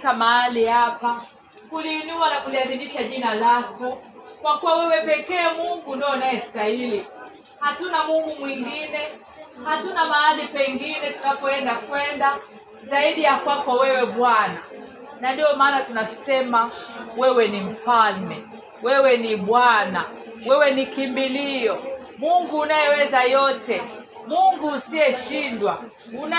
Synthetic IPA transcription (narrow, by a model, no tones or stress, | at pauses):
kamaalihapa | kuliːnuanakulihaɾimiʃaʄinalakɔkwakuwawɛwɛpɛkɛːmuŋɡundɔnajɛstahili | hatunamuŋɡumwiŋɡinɛ | hatunamaalipɛŋɡinɛtunapɔɛndakwɛnda | zaiɗijakwapawɛwɛɓwana | nandiɔmaːnatunasɛmawɛwɛnim̩falmɛ | wɛwɛniɓwana | wɛwɛnikimbiliɔ | muŋɡuːnajɛwɛzajɔtɛ | muŋɡuːsiɛʃindwa | una